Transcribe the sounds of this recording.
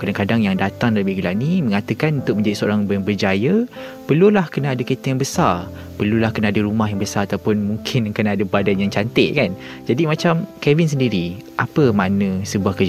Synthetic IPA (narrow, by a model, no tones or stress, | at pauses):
kadaŋkadaŋjaŋdat̪aŋdaləbihɡilanimə̃ŋat̪əkanunt̪ʊk̚mə̃ɲd͡ʒadisəo̰ɾaŋbəbərd͡ʒajə | pərlulahkənaːdəket̪əjaŋbəsar | pərlulahkənaadəɾumaɦjaŋbəsaɾat̪awpʊnmũŋkʰɪnkənaːdəbadanjaŋt͡ʃant̪ɪʔkan | d͡ʒadimat͡ʃamkɛvins̬əndiɾiʔapəmanə̃səbuahkəd͡ʒ